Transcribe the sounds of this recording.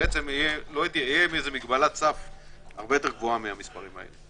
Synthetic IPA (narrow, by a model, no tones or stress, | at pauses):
ʔet͡semijeloait̪iejemiezemiɡbalatt͡saf | aʁbejo̞t̪e̞ʁɡvoamiamispaʁimha̰ḛle